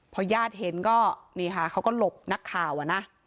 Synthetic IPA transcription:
pʰɔ˧jaː˥˩t̪̚he˨˦nkɔː˥˩niː˧˩kʰa˧˩kʰa˦˥wkɔː˥˩lo˨˩p̚na˦˥kʰːaː˨˩wʔa˨˩na˦˥

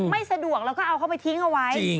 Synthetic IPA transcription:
ma˥˩jsa˧du˨˩ək̚lɛ˦˥kɔː˥˩ʔa˧wkʰa˥˩pa˧jt̪ʰi˦˥ŋʔa˧wa˦˥j

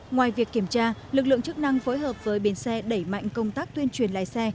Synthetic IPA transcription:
ŋwaː˨˩jvi˨˩kːi˧˩əmt͡ɕaː˧lɨ˨˩k̬̚lɨ̰˧˨əŋt͡ɕɨ˦˥k̚na˧ŋfo˨˦jɦəː˨˩p̚vəː˨˦jɓi˨˦nsɛ˧ɗə˧˩jma̰˧˨jŋ̟kə˧wŋ͡mt̪aː˦˥k̚t̪wi˧ənt͡ɕwi˨˩ənla̰ː˧˨jsɛ˧

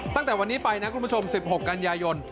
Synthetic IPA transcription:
t̪a˥˩ŋt̪ɛː˨˩wa˧nːiː˦˥pa˧jna˦˥kʰu˧mbt͡ɕʰo˧msi˨˩p̚ho˨˩kːa˧njaː˧jo˧n

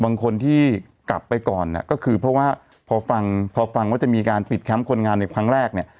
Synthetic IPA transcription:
baː˧ŋkʰo˧nt̪ʰiː˥˩ | kla˨˩pːa˧jkɔː˨˩nːa̰˧˩kɔː˥˩kʰɯː˧pʰɾɔ˦˥waː˥˩ | pʰɔː˧fa˧ŋpʰɔː˧fa˧ŋwaː˥˩t͡ɕa˨˩miː˧kaː˧npi˨˩t̪̚kʰɛ˦˥mkʰo˧nŋaː˧nːa˧jkʰɾa˦˥ŋɾɛː˥˩k̚ni˥˩

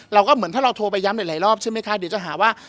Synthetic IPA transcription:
ɾa˧wkɔː˥˩mɯ˩˦nt̪ʰaː˥˩ɾa˧wt̪ʰoː˧p̬a˧jːa˦˥mda˨˩jlaː˨˩˦ɾɔː˥˩p̚t͡ɕʰa˥˩jma˦˥jkʰa˦˥di˨˦wt͡ɕa˨˩ɦaː˩˦waː˥˩

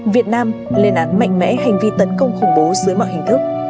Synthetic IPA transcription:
vi˨˩ət̚naː˧mlḛ˧˨ənʔaː˨˥nma̰˧˨jŋ̟mɛ̰˧˥ɦa˨˩jŋ̟vi˧t̪ə˨˦nkə˧wŋ͡mxə˧˩wŋ͡mɓo˨˦zɨ˨˦əjmɔ̰ː˧˨hï˨˩ŋ̟t̪ʰɨ˦˥k̚

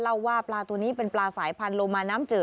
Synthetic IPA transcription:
la˥˩wːaː˥˩plaː˧t̪uː˧niː˦˥pe˧nplaː˧saː˩˦jpʰa˧nlo˧maː˧naː˦˥mt͡ɕɤː˨˩

